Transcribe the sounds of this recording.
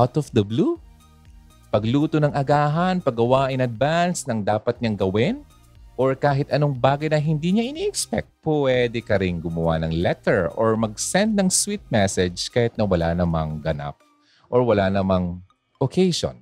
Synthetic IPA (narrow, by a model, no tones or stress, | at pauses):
ʔawt̪ɔfd̪ɐblu | pɐɡluːt̪onɐŋʔɐɡaːɦɐnpɐɡɐwaːʔɪnɐd̪̚vansnɐŋd̪aːpɐt̪̚ɲɐŋɡɐwɪn | ʔoɹkaːɦɪt̪ɐnoŋbaːɡɐjnɐɦɪnd̪iːɲaʔɪniʔɛkspɛ̰k̚t̪̚pɛd̪ɛkɐɾɪŋɡʊmɐwa̰nɐŋlɛt̪ɛɹoɹmɐɡ̚sɛnd̪̚nɐŋswit̪̚mɛsɛd͡ʒkaːhɪt̪̚nɐwɐla̰nɐmɐŋɡɐna̰p̚ | ʔoɹwɐlanɐmɐŋ | ʔokʰejʃo̰n